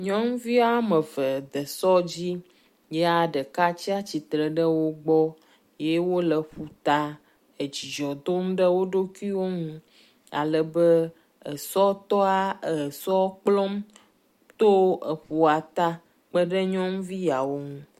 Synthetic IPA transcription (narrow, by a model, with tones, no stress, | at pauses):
ɲɔ̃˦m˦vi˦a˦mə˨və˨d̪ə˨sɔ˦d͡ʑi˦ | jɛ˦a˨ɖə˨ka˦t͡ɕi˦a˦t͡ɕi˨t̪ɾə˨ɖə˦wo˦ɡ͡bɔ˦ | je˦wo˦lə˨ɸu˨t̪a˦ | ə˨d͡ʑi˨d͡ʒɔ˨d̪o˦mɖə˦wo˦ɖo˦ki˦wo˦ŋũ˦ | a̰˨lə˨bə˦ | ə̰˨sɔ˦t̪ɔ˦a˦ə˨sɔ˦k͡plɔ˦m | t̪o˦ə˨ɸu˨a˨t̪a˦ | k͡pə˦ɖə˦ɲɔ̃˦ŋ˦vi˦ja˨wo˦ŋũ˦